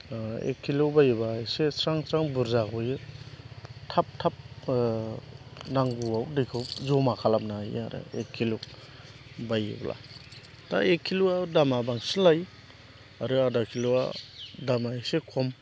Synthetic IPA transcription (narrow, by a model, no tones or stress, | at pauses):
ḛkʰːilobajbasesaŋt͡ʃaŋbuɾzakʰɔjɯ | tʰap̚tʰap̚ | naŋɡuawdikʰɯwzɔmakʰalamnaj̰a̰ɾɯ̰ekʰːiluk | baj̰blʔa̰ | ta̰ekʰːiluadamabaŋsinlaj | aɾɯadakʰilua̰damaesekʰɔm